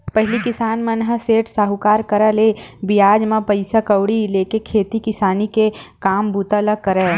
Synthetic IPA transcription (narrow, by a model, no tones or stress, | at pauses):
pɐɦlikɪsaːnmɐnɦəseːʈsaɦukaːɾkɐɾalebɪjaːd͡ʒmãpɐɪsakɐwɽileːkekʰeːt̪ikɪsaːnikekaːmbuːt̪aləkɐɾɛː